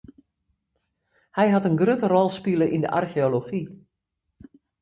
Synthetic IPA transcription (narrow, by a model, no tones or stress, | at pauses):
hɛjɦatənɡrøtərɔlˠspilˠəʔində̰ʔa̰rxeoloxi